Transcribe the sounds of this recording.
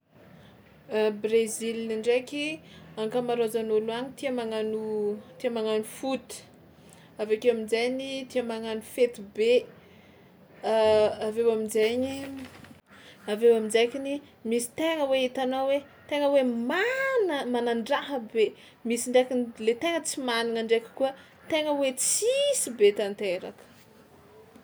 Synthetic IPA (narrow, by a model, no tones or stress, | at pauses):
brezilniɳɖ͡ʐekʲiaŋkəmaɾozanuluaɲit̪iamaŋanut̪iamaŋanufut̪i̥ | avekewaminzejnit̪iamaŋanufet̪ibe | avewamizaɲi | avewamid͡zajkini | misi̥t̪eŋəweit̪anowe | t̪eŋəwemanəmanaɳɖ͡ʐaɦəbe | misiɳɖ͡ʐakʲinlet̪eŋət͡simaninaɳɖ͡ʐejkʲi̥kuə | t̪eŋəwet͡sisibet̪ant̪eɾa̰kə̥